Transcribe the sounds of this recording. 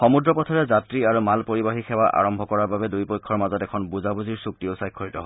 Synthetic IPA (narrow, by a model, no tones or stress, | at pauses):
xɔmudɹɔpɔtʰɔɹɛzatɹiaɹumalpoɹibaɦixʰɛwaʔa̰ɹɔmbʱɔkɔɹaɹbabɛdujpɔjkʰːɔɹmazɔtɛkʰɔnbuzabuziɹsuk̚tioʊsajkʰːɔɹitɔɦɔ